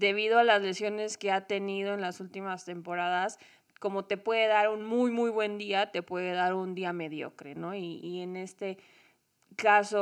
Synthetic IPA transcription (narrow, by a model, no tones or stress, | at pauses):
d̪e̞β̞iðo̞alazle̞sjo̞ne̞ske̞at̪e̞nið̞o̞enlasult̪imast̪e̞mpo̞ɾaðas | ko̞mot̪e̞pwe̞ðe̞ðaɾunmujmujβwe̞nd̪iat̪e̞pwe̞ðe̞ðaɾund̪iame̞ðjo̞̰kɾe̞̰no̞iːene̞st̪e̞ | kaso